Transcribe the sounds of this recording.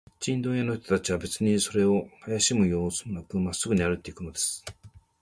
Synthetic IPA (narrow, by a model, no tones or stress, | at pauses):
t͡ɕĩnd̪õjano̞çt̪ot̪at͡ɕiβabe̞t͡sɨɲ̟iso̞ɾe̞o̞hajaɕimɯ̟jo̞ːsɨmɯnakɯ̟masːɨɡɯ̟ɲiaɾɯ̟t̪ːe̞ikɯ̟no̞d̪e̞sɨ̥